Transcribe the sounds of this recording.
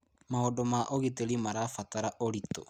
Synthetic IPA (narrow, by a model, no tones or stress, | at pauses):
maodɔmaʔoɣiteɾimaɾafataɾaʔoɾitɔ̰